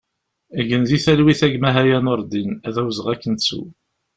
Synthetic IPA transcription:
æʝənðiθælwiθæɡmæɦæjænoɾˤd̪inæðæwzəʁækːənt͡sːṵ

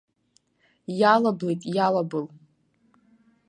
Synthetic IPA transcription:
jalablejtʼjalabɨl

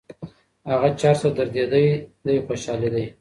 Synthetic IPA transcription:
haɣat͡ʃɑɾsad̪aɾd̪ed̪əjd̪ajxoʃɑled̪aj

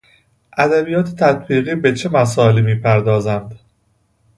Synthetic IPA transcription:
ʔæd̪æbijɒːt̪ʰe̥t̪ʰæt̪̚ʰbiːɣiːbe̞t͡ʃʰe̞mæs̬ɒːeliːmiːpʰæɾd̪ɒːzænd̪

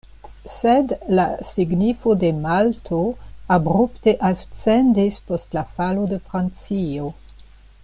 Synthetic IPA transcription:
sedlasiɡnifo̞de̞maltʰoabɾupteʔast͡sendispo̞stlafalodəfɾant͡sio

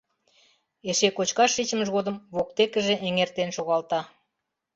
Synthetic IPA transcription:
eʃekot͡ɕkɑʃːit͡ɕə̆məʒɣod̪əmβok̚t̪ekəʒĕʔeŋert̪enʃoɣɑlt̪ɑ

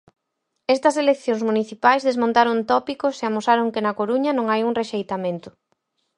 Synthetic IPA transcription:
ɛst̪ɐselekθjoŋsmuniθipajzðezmõnt̪aɾoŋt̪ɔpikʊseamosaɾoŋkenɐkoɾuɲɐnõŋajuŋreʃejt̪amẽnt̪ʊ̥

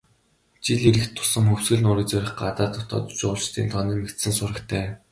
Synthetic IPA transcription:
t͡ɕiɮiɾɘ̆kt̪ʰːʊ̥sə̆ŋxɵw̥sɡɘ̆ɮnʊːɾiːt͡sœɾʲɪ̆χɢat̪aːt̪ʰʊt̪ʰɔ̰ːt̪t͡ɕʊ̆ːɮt͡ɕt̪ʰiːnt̪ʰɔniːmekt̪sɘ̆nsʊrə̆kt̪ʰæː

